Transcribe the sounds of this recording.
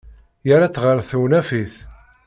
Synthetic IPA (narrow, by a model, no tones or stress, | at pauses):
jəɾat͡sːʁəɾˤθuwnæfiθ